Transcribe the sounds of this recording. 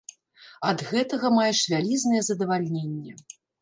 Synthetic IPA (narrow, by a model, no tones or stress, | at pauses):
ɐd̪ɣɛt̪ɐɣɐmajɛʂvʲalʲiznɐjɛzɐd̪ɐvalʲnʲenʲːɛ